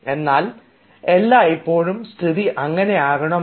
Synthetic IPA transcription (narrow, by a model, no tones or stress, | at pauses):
e̞nːaːl | e̞lːaːipːo̞ːɻumst̪ʰiðiʔɐŋːɐne̞aːɣɐɳɐm